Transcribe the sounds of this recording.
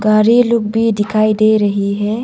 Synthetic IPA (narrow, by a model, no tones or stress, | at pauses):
ɡaːɾilʊkbʱid̪ɪkʰaːid̪eːɾɐɦiɦɛː